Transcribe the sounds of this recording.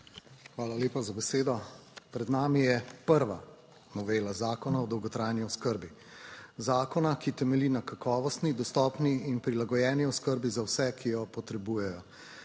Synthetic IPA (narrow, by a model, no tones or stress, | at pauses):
xʋaːlaleːpazabɛseːd̪ɔpɾɛd̪naːmijɛpəɾʋa | nɔʋeːlazaːkɔnaɔd̪ɔwɡɔt̪ɾaːjniɔskəɾbi | zaːkɔnakit̪ɛmɛlinakakɔːʋɔst̪nid̪ɔst̪ɔːpniinpɾilaɡɔjɛːniɔskəɾbizawsɛkʰijɔpɔt̪ɾɛbuːjɛjɔ